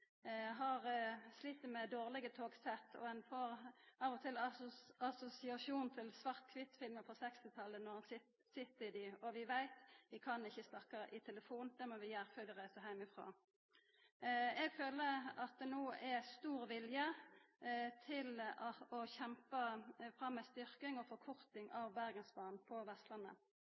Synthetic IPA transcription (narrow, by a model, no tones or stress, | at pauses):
ɦɑʁslit̪ːəmɛd̪oːʁlɪɡət̪ʰoːɡsɛt̪ʰːɔ̰ɛnfɔʁɑʋɔt̪ʰɪlɑsʊsɪɑʃuːnt̪ʰɪlsʋɑʁt̪̚kʰʋɪt̪ːfɪlməfɔsɛkst̪ɪt̪ʰɑlːənɔʁhɑnsɪ | sɪt̪ːɪd̪ɪɔʋɪʋæɪt̪ʋɪkʰɑnɪçːəst̪ɑkːɑʔɪt̪ʰɛləfuːnd̪̥ɛmɔʋɪjæʁfœd̪əʁæɪsəɦæɪmɪfʁo̰ː | ɛɡføːləɑt̪̚d̪ɛnoːɛst̪uːʁʋɪljə | t̪ʰɪlɔçɛmpəfʁɑmːɛst̪ʏʁkɪŋɔfɔʁkʰʊʁt̪ɪŋʔɑʋbæʁɡənsbɑːnpʰɔʋɛst̪lɑnə̰